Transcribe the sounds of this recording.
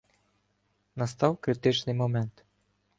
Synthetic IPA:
nɐst̪ɑwkɾɪt̪ɪt͡ʃnɪjmɔmɛnt̪

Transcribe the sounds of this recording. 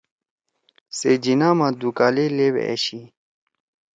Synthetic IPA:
sed͡ʑinaːmad̪ukaːlelewḛḛɕi

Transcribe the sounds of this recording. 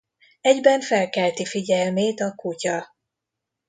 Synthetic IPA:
ɛɟbɛɱfɛlkɛlt̪ifiɟɛlmeːt̪ɒkucɒ

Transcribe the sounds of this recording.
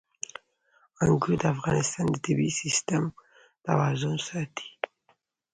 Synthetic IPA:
ãŋɡud̪afɡanɛst̪ãnd̪ət̪ebisist̪ɛm | d̪̥a̰wazɔ̃nsat̪ʰi̥

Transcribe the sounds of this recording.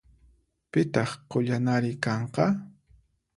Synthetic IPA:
pɪt̪ɑχqoʎanaɾɪkɑɴqɑ

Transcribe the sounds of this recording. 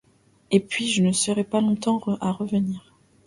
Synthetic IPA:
epɥiʒənəsəʁɛpalɔ̃t̪ɑ̃aʁəvəniːʁ

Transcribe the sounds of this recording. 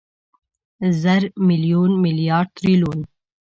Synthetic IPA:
zaɾmɪlijuːnmɪlijɑːɖ̚t̪ɾiluːn

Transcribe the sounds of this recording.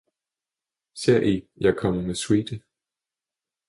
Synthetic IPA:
seɐ̰ʔijɑ̈ɪkʰɒ̽m̰əmeswiːd̥ə

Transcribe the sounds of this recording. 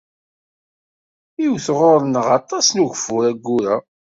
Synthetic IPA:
iwθʁoɾˤnəʁɑt̪ˤːɑsnuʝfʊɾæɡːuɾæ

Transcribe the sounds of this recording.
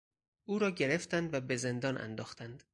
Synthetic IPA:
ʔuːɾɒːɟe̞ɾe̞ft̪ænd̪væbe̞ze̞nd̪ɒːnʔæ̰nd̪ɒːxt̪ʰænd̪

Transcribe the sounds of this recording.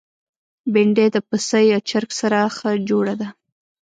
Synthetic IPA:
beɳɖed̪əpəsəjat͡ʃaɾksaɾaxəd͡ʒoɽad̪a

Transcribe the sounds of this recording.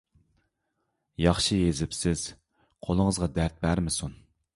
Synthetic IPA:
jɑχʃijezɪpsɪz̥ | qʰolˠəŋəzʁɑd̪æɾt̪̚bæɾmɪsun

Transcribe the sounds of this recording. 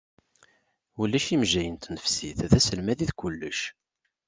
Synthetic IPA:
ulːæʃimʒæjənt̪nəfsiθðæsəlmæðiðkʷʊlːə̰ʃ

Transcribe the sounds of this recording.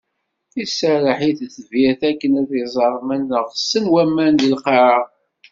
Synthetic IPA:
θisərˤəħiθθəviθækːənæθizˤɑɾˤmænːəʁsənwæmːænd̪ilqɑʕɑ

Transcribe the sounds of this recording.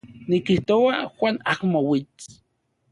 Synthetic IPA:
nikiht̪owaxwʷanakmowit͡s

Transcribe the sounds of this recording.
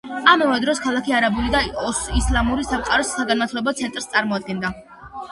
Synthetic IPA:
amɔvɛd̪ɾɔskʰalˠakʰiaɾabulid̪aɔislˠamuɾisamqʼaɾɔsːaɡanat̪ʰlɛbɔt̪sʰɛnt̪ʼɾst̪sʼaɾmɔad̪̚ɡɛnd̪a

